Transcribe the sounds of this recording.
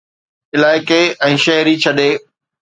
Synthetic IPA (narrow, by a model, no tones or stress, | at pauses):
ɪlaːɪkeɛ̃ːʃɐɦɾit͡ɕʰɐɗeː